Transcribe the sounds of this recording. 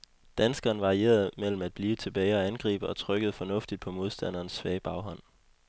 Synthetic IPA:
d̥ænsɡ̥ɐːnʋɑ̈ʁie̝̰ːɐð̩ˠmel̰m̩æd̥̚b̥liːt͡sʰe̝b̥ɛɪɒ̽ænɡ̥ʁḭːb̥əɒ̽t͡sʰʁœɡ̥əð̩ˠfɒ̽nɔ̽fd̥id̥̚pʰɒ̽mo̝ðˠsd̥æn̰ɐːnsːʋɛːɪb̥ɑ̈ʊɦɒ̽n̰

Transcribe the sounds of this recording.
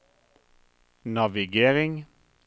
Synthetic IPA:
nɑʋɪɡeːʁɪŋ

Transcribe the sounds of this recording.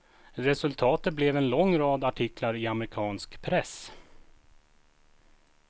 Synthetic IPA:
ɾɛsɵlt̪ʰɑːt̪ət̪̚blɛvɛnlɔŋːɾɑːd̪aʈʰɪklaɾɪamɾɪkʰɑːnskpʰɾɛs

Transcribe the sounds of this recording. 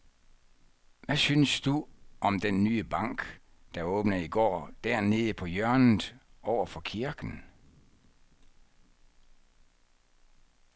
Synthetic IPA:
ʋæsynəsd̥uʔɒ̽md̥enːyːəb̥ɑ̈ŋ̰ɡ̥ | d̥ɑ̈ɔ̽ːb̥nəiɡ̥ɒ̰ːd̥æɐ̰ne̝ðˠəpʰɒ̽jɶɐnð̩ˠʔɒʊ̰ɐfɒ̽kʰiɐɡ̥n̩

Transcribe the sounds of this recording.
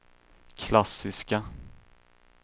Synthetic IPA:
kʰlasɪska

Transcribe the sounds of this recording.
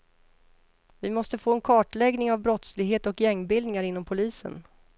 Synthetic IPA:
vɪmɔst̪əfoːɛnkʰɑːʈɭɛɡnɪŋavbɾɔt̪slɪɡɦeːt̪ɔkjɛŋːbɪld̪nɪŋaɾɪnːɔmpʰʊliːsə̰n

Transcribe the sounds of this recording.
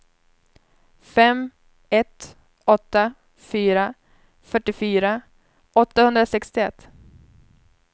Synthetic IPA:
fɛm | ɛt̪ | ɔt̪ːa | fyːɾa | fœʈːɪfyːɾa | ʔɔt̪ːahɵnd̪ɾasɛkst̪ɪɛt̪ː

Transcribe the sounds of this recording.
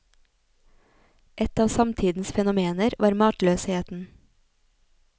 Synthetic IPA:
ʔɛt̪ɑːʋsɑmt̪ʰiːd̪n̩sfɛnʊmeːnəɾʋʔɑːɾmɑːʈløːsheːt̪n̩

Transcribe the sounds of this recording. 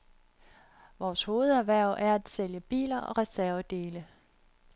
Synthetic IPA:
ʋɒːsho̝ːð̞̩ˠæʋæɐ̰ʔæɐæd̥seljəb̥ḭːlɐɒ̽ʁɛsæɐəd̥e̝ːlə

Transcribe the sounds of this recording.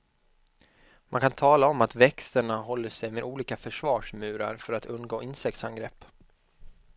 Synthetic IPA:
mʔankʰant̪ʰɑːlaɔmat̪vɛkst̪əɳaɦɔlːəʂɛjmeːd̪uːliːkafœʂvɑːʂmʉ̟ːɾa̰ɾfœɾat̪ʰɵnɡoːʔɪnsɛk̚t̪sanɡɾɛpː

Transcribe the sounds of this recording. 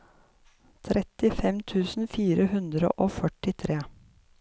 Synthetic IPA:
t̪ʰɾʔɛt̪ɪfɛmt̪ʰʉːsn̩fiːɾəhʉnd̪ɾə̰ʔoːfœʈɪt̪ʰɾeː

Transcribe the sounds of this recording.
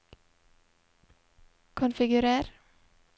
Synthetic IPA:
kʰʊnfɪɡʉɾeːɾ

